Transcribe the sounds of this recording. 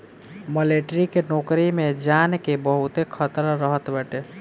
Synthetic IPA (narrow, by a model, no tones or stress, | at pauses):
məleʈɾikenoːkɾimed͡ʒankebəɦut̪ekʰət̪ɾɾəɦət̪bɛʈe